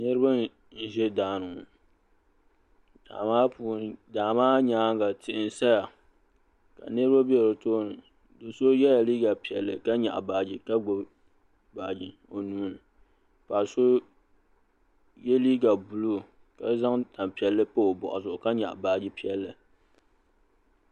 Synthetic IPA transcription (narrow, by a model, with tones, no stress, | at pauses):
nɨ˦ɾɨ˦ba˦ | n̩˦˨ʒɛ˦daː˨nɨ˨ʊ˨ | da̰ː˨maː˦puː˦n˦daː˨maː˦ɲaː˨˦ŋ˦ɡa˨tɪ˨ʔɪ˦n̩˨sa˦ja˨ | ka̰˨nɨ˦ɾɨ˦ba˦bi˦˨ɾo˨toː˦nɨ˨ | do˨so˦jɛ˦ja˨liː˦ɡa˨pi˨ɛ̰˨lːɨ̰˨ka˦ɲa̰˨ʔa̰˨baː˨d͡ʒi˨ka˦ɡ͡bo˨ | baː˨d͡ʒɪ˨ | o˨nuː˦nɨ˨ | paː˨so˦ | jɛ˦liː˦ɡa˨bʊ˨lo˦˨ | ka˨˦za˦ŋta˨m˨pi˨ɛ˨lːɨ˦po˦o˨bɔ̰˨ʔʊ˨sʊ˨ka˦ɲa̰˨ʔbaː˨d͡ʒi˦pi˨˦ɛ˦lːɨ˨